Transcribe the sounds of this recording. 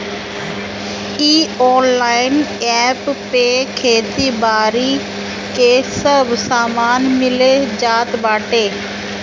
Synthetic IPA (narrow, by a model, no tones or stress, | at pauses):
iːɔːnlaːɪnɛːpːekʰeːt̪ibaːɾi | keːsɐbʱsaːmaːnmɪled͡ʑaːt̪baːʈeː